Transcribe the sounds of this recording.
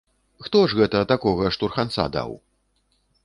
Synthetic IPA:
xt̪ɔʐɣɛt̪ɐːt̪akɔɣɐʂt̪urxant̪sa̰d̪a̰w

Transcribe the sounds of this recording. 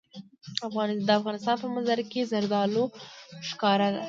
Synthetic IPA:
afɣɑnd̪əafɣɑnɪst̪ɑnpəmanzaɾkezaɾd̪ɑloʃkɑɾad̪a̰

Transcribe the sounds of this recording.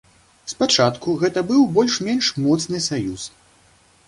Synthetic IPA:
spat͡ʂat̪kuɣɛt̪ɐbɨwbɔlʲʂmʲɛnʂmɔt̪snɨsajus

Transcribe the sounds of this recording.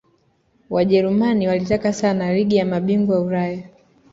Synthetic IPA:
waʄɛɾumaniwalitakasanaliɠijamaɓiŋɡwauɾaja

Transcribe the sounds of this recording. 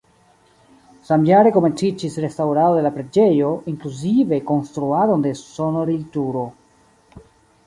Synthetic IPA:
samjaɾe̞kome̞nt͡sid͡ʒisɾe̞stawɾaod̪e̞lapɾed͡ʒe̞jo̞ʔiŋkluzive̞ko̞nst̪ɾuado̞nde̞sonoɾiltuɾo̞

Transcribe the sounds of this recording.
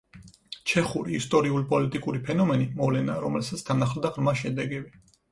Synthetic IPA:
t͡ʃʰɛχuɾiːst̪ʼɔɾiulipʼɔlit̪ʼikʼuɾipʰɛnɔmɛnimɔvlɛnaːɾɔmɛlsat̪sʰt̪ʰanaχld̪aʁɾmaʃɛd̪ɛɡɛbi

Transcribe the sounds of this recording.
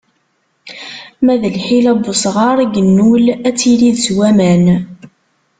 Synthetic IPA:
mæðəlħilæbʊsʁɑɾˤɡənːulæt͡sːiliðswæmæn

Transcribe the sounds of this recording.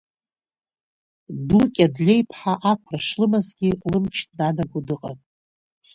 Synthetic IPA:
dukʲʼadlʲe̞jpʰħaʔakʷʰraʂlɨmazɡʲilɨmt͡ʃʰtnanaɡʷudɨqʼatʼ

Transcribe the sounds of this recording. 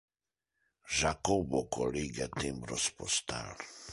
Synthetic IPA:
ʒakobokʰoliɡɛt̪imbɾɔspɔst̪a̰l

